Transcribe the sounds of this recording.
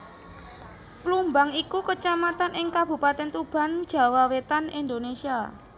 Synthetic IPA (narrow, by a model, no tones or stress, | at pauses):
plumbaŋikukət͡ʃamat̪anɪŋkab̥ṳpat̪ɛnt̪ub̥a̤n̥ʒ̥a̤wawet̪anind̪onesia